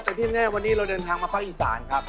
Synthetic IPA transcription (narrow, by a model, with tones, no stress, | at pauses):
t̪ɛ˧˩t̪ʰiː˥˩nɛː˥˩˨wa˧nːiː˦˥ɾa˧wdɤː˧nt̪ʰaː˧ŋmaː˧pʰaː˦˥˩k̚ʔiː˨˩sa̰ː˩˦nkʰa˦˥p̚